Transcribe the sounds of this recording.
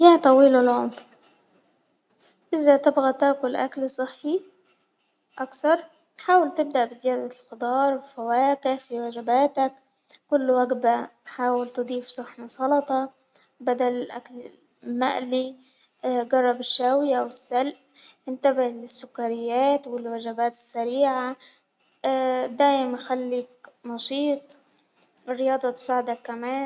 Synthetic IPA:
jat̪ˤɑwiːlɪlʕʊmɾ | ʔɪzat̪ɪbɣat̪aʔkʊlʔa̰klsˤɨħːi | ʔɑkθɑɾˤ | t̪ħaːwɪlt̪ɪb̚d̪aʔbɪzɪjaːd̪alxʊd̪ˤɑːɾˤbɪfawaːkɪhfiwaʒɪbaːt̪æk | kːʊlːwaɡbaħaːwɪlt̪ɨd̪ˤiːfsˤɨħːmʊsˤɑlɑt̪ˤɑ | bad̪alɪlʔa̰klɪ | ma̰ʔli | ɡɑrˤːɑbɪʃːaːwɪjawɪsːalʔ | ʔɪnt̪abɪlɪsːʊkːaɾɪjːaːt̪wɪlwaʒabaːt̪ɪ̥sːaɾiːʕa | d̪aːjɪmnxalːik̚nɑʃiːt̪ˤ | ɪrːɪjɑːd̪ˤɑt̪saːʕɪd̪akːamaː

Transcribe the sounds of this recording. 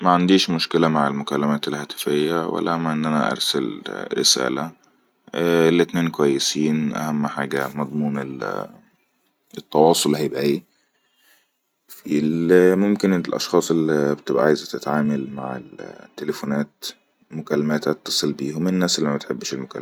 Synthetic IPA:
mæʕand̪iːʃmʊʃkɪlæmaʕelmʊkælːæmæːt̪elhæːt̪ɪ̥fejːæwæ̰lːæmæʔenːʔænæ̰ʔɑ̰ɾˤsælɾɪ̰sæ̰ːlæ | elːit̪neːnkowæjːesiːnʔæ̰hæmːħaːɡæmɑd̪ˤmuːnel | et̪ːɑwɑːsˤolhæjebʔʕiː | filmomkɪnlʔɑ̰ʃxɑːsˤelːibt̪ɪbʔaʕaːjzæt̪ɪt̪ʕaːmælma̰ʕḛlt̪ːelefonæːt̪ | mʊkælːæmæːt̪ʔɑt̪ːɑ̥sˤɨlbiːhomennːæːsʔelːimæt̪ħebːʃelmokæ̰lː

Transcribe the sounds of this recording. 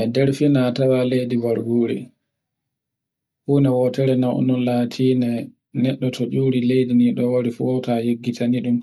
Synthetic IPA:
ʔɛdɛɾfinatawalejdiwaɾɡuːɾḭ | huːnɛwɔtɛɾɛnawʔɔ̰nɔlaːtʰiːnɛ | nɛɗːɔtʰɔd͡ʒuːɾilejdiniɗɔwaɾifuɔtajeɡːitʰaniɗum

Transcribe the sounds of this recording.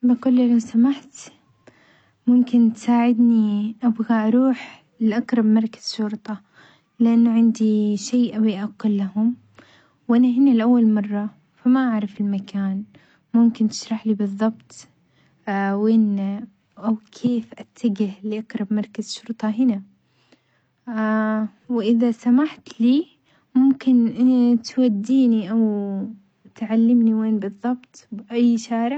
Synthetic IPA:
baqʊlːlawsamaħt̪ | mʊmkɪnt̪saːʕɪd̪niʔabɣaʔɑɾuːħ | lɪʔɑqɾˤɑbmɑɾˤkḁz̥ʃʊɾt̪ˤɑ | lɪʔanːʕɪnd̪iʃaːʔawiʔaqːʊlːahʊm | wʔanaɦɪnalɪʔawːalmɑrˤːɑ | famaʔaʕɾˤɪfɪlmakaːn | mʊmkɪnt̪ɪ̥ʃɾˤɑħlibɨðˤːɑbt̪ | weːn | ʔawkʰeːfʔat̪ʰːaɡɪhliʔɑqɾˤɑbmɑɾˤkazʃʊɾt̪ˤɑɦɪna | wʔɪðasamaħt̪liː | mʊmkɪnt̪wad̪ːiːniʔaw | t̪ʕalːɪmniweːnbɨðˤːɑbt̪ˤbʔajːʃaːɾɪʕ

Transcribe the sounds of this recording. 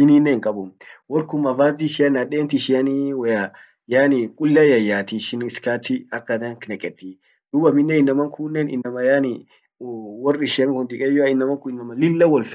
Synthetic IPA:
ɪninːeŋkʼɐbʊmwɔɾkʊmɐvaːziʃɪjɐnɐɗeːnt̪ɪʃɪɐniwɔja | jaːnɪkʼʊlːɐjɐjːaːt̪iʃɪnɪskat̪ːiɐkːɐd̪ɐŋkɪnɛkʼɛt̪ːi | d̪̥ʊbɐmɪnːɛɪnːɐmɐŋkʰunːɛnɪ̰nːɐmɐjanɪ | wɔrɪʃɪɐŋhʊnd̪ɪkʼɛjɔaɪnːɐmɐŋkʊɪnːɐmɐlɪlːɐwɔlf

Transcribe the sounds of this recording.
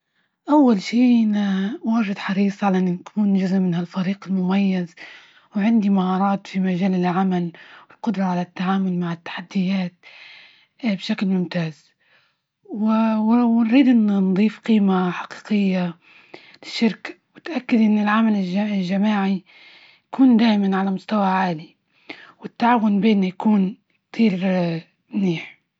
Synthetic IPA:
ʔawːalʃiːnawaːʒɪd̪ħɑɾiːsˤʕalaʔɪnːʊnkʰuːnd͡ʒʊzʔmɪnhalfaɾiːqɪlmʊmajːaz | wʕɪnd̪imahɑːɾˤɑːt̪fimaʒaːlɪlʕamalwɪlqʊd̪ɾˤɑʕalat̪ːaʕaːmʊlmaʕɪt̪ːḁħad̪ːɪjːaːt̪̚ | bʃaklmʊmt̪aːz | wɪwwnɾiːd̪ʔɪnːand̪ˤiːfqiːmaħaqi̥ːqɪjːa | lɪʃːɪɾkḁwɪt̪ʔakːad̪ʔɪnːɪlʕamalɪlʒamaːʕi | jakuːnd̪aːʔɪmanʕalamʊst̪awaʕaːli | wɪt̪ːaʕaːwʊnbeːnːajakuːn | t̪ʰˤiːɾ | mniːħ

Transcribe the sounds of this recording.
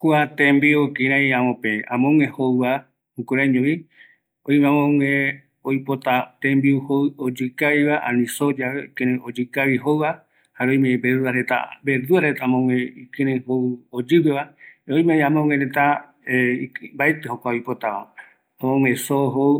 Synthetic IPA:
kuat̪ẽmbiukɨɾ̃ãjãmõpeãmõŋehoβa | hukuɾaɲõβi | õj̃mẽãmõŋẽ | ojpot̪at̪ẽmbiuhood͡ʒɨkaβiβaʔã̰nĩsod͡ʒaβekẽɾẽod͡ʒɨkaβiɦowβa | haɾojmebeɾuaɾet̪a̰bed̪uaɾet̪amõŋẽikɨ̃ɾ̃ẽhood͡ʒɨweβaoj̃mej̃ãmõŋeɾet̪a | eibaet̪ehokʷaojpot̪aβa̰ | amõŋʷẽsoɦow

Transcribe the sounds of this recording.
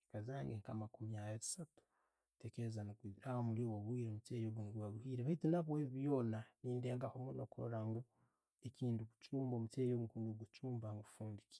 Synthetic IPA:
ikazaːŋɡeŋkamakumjajeisatu̥ | tekezankahomuljowaβuhiːɾomutejoβuŋɡuβaβuhiːɾeβaitenaβweβiβjo̞ːnaniːndeɡahomunokʰo̰ɾaŋɡo | ekiːnduku̥t͡ʃuːmbomuteːjokunuɡut͡ʃuːmbaŋɡufuːndiki̥

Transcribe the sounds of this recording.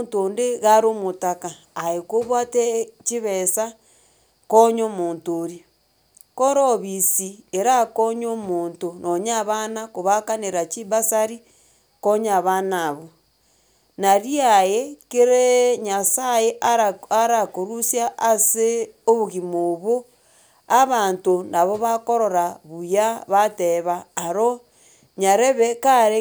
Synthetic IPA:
ntondeɣaɾomotakaːekoβwatet͡ʃiβesa | koɲomoːntoɾi | koɾoβisieɾakoɲomoːntonʔoɲaβanakoβakaneɾat͡ʃiβasaɾi | koɲaβanaβo | naɾiajekeɾeɲasajeʔaaɾakoɾusjaʔːseoβuɣimoβo | aβaːntonaβoβakoɾoɾaβujaβateβaːɾo | ɲaɾeβekaɾe

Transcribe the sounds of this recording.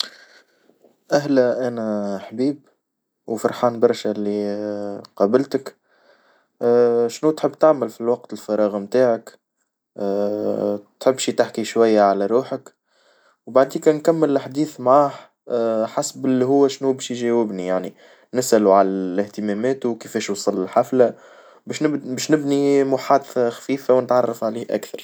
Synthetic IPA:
ʔæɦlæʔæːnæħbiːb | wfɑɾˤħɑːnbɑɾˤʃælːi | qɑːbɪlt̪ək | ʃnut̪ħəbːt̪aʕməlfilwɑq̚t̪ɪlfɑɾˤɑːɣmt̪aːʕəkː | t̪ħɪbːʃit̪aħkiʃwæjːaʕalæɾˤuːħək | wbaʕd̪iːkænkæmːɪlʔaħd̪iːθmʕaːh | ħasbɪlːiɦʊwːæʃnubɛːʃjʒɛwɪbnijaʕni | nɪsʔæluʕalælɪht̪əmæmɛːt̪uwkəfɛːʃwsˤɑlːɪlħafla | bɛʃnbɛːʃnɪbnimʊħaːd̪θaxfiːfawnət̪ʕɑrˤːɑfʕaliːhʔæ̰kθɑɾˤ

